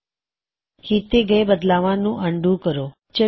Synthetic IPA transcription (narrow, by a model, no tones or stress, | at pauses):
hit̪eɡəjbəd̪laʋãnũʔəɳɖʱũkəɾo | t͡ʃə